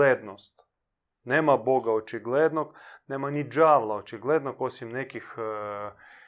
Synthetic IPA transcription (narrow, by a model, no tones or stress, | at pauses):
eːd̪nost̪ | neːmaboɡaot͡ʃiɡled̪nokneːmanid͡ʒaːʋlˠaot͡ʃiɡled̪nokosimnekix